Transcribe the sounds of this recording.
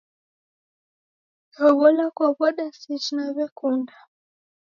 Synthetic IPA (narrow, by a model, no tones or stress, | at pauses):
hɔβɔlakwaβɔɗasit͡ʃnaβɛkunda